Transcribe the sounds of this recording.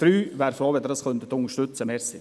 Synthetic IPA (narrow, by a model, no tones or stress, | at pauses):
d̥ɾyːʋæːɾfoːʋɛd̪əɾɑskœnt̪ət̪ʊŋəʃtʉt͡səmɛsɪ